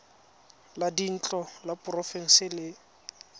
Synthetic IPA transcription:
ladin̩t͡ɬʼɔlapʼʊrɔfɛŋ̩sɪlɪ

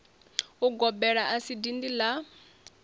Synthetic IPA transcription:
uɡɔbɛɺaʔasidindila

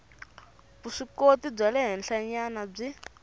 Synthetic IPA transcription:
buʂikotib͡ʐalɛɦɛnɬaɲanab͡ʐi

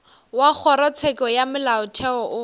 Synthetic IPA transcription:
wak͡xʰɔɾɔt͡sʰɛkɔjamʊlaʊt͡ʃʰɛɔʔʊ

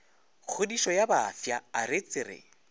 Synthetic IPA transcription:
k͡xʰʊdiʃɔjabaːfjaːɾɪt͡sʼɪrɪ̰

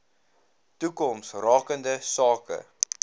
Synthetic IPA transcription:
tukɔmsrɑːkəndəsɑːkə̰

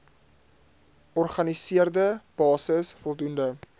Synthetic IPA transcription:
ʔɔrχɐnisiərdəb̥ɑːsəsfɔlˠdundə

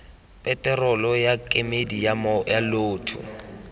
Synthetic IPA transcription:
pʼɛtʼɛrɔlɔjakʼemedijamɔjaloːtʰʊ̰

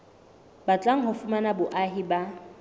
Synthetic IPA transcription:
bat͡ɬʼaŋ̩ɦʊfʊmanabʊʔaɦiba

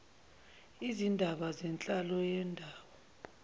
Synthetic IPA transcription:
izindʱaɓazɛnt͡ɬʼalɔjɛndʱaːwɔ

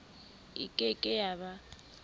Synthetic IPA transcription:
ḭkʼɛkʼɛjaβa

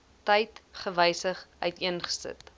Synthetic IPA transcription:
təjtχəvəjsəχœɥtiənχə̥sə̰t

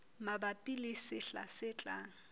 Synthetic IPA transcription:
mabapʼilisɪɬa̰sɪt͡ɬʼa̰ːŋ̩

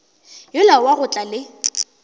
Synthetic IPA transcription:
jʊlawaɣʊt͡ɬʼalɪ

